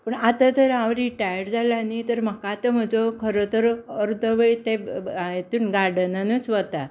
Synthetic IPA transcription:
pəɳat̪at̪əɾawɾiʈajəɽd͡zalanit̪əɾm̤əkat̪əm̤əd͡zokʰəɾət̪əɾəɾd̪əʋeɭit̪eet̪uːnɡaɽənanət͡sʋət̪a

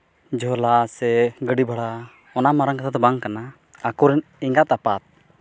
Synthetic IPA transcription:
d͡ʒɔlasɛɡəɖibʱaɽa | ɔnamaɾaŋkat̪ʰat̪ɔbaŋkanaː | kuɾɛniŋɡat̪apat̪̚

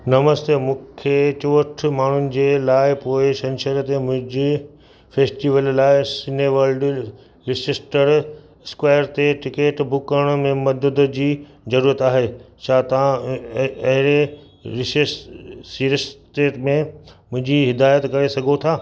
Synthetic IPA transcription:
nɐməst̪eːmũːkʰet͡ɕoːʈʰmaːɳ̤ʊnɪ̆d͡ʑeːlaːɪpoːɪʃɐ̃nʃəɾt̪emʊ̃ɦɪ̃d͡ʑe | feːsʈiːʋəllaːɪsɪneʋɐlɖ | ɾɪsɪsʈəɾ | skwaːjəɾt̪eʈɪkeːʈbʊkəɽ̃mẽmɐd̪əd̪ʊd͡ʑiː | zɐɾuːɾət̪aːɦet͡ɕʰaːt̪ɐã | ɐɦɪɾe | ɪsɪssiːɾsʈeːʈmẽmʊ̃ɦɪ̃ɲd͡ʑiɦɪd̪aːjət̪kɐɾesɐɡʱot̪ʰaː

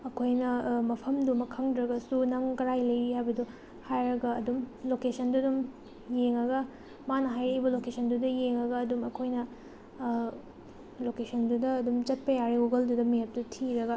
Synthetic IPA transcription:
ɐkʰojnɐmɐpʰɐmdumɐkʰɐŋdɾɐɡɐsunɐŋkɐɾajlɐjɾihajbɐdu | hajɾɐɡɐːdumlokesɐndudum | jeŋːɐɡɐ | manɐɦajɾɐibɐlokesʰɐndudɐjeŋɐɡɐːdumɐkʰojnɐ | lokesʰɐndudɐːdumt͡ʃɐt̚pɐjaɾiɡuɡɐldudɐmijap̚tɐtʰiɾɐɡɐ

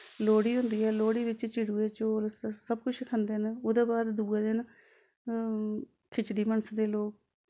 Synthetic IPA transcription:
loːɽiːɦʊnd̪iːɛːloːɽiːbɪt͡ʃt͡ʃiɽuːeːt͡ʃoːlsəb̚kʊt͡ʃʰkʰənd̪enoːd̪eːbaːd̪d̪uːeːd̪en | kʰɪt͡ʃɖiːmənəsd̪eːloːk

